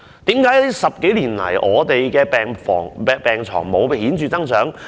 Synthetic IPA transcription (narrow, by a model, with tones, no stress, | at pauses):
t̪iː˨˥mkaː˧˥jt̪iː˥sɐ˨p̚ke˨˥jliː˨˩nlɐ̰˨˩jʔɔː˨˧t̪e˨jkɛː˧pɛː˨ŋfɔː˨˩ŋpɛ˨˧pɛː˨˩ŋt͡sʰɔ̰ː˨˩ŋmo˨˧wpe˨˧hiː˨˥nt͡ʃyː˨˧t͡sɐ˥ŋt͡sœː˨˥ŋ